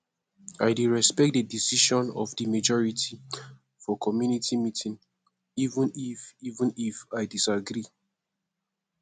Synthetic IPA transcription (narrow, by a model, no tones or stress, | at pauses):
aɪdeɹɛspɛk̚dədisiʃɔ̃nɔ̰fdimad͡ʒɔɹitʰi | fɔkʰɔmjunitʰimitʰĩn | ivũnifivə̃nifaɪdisaɡɹi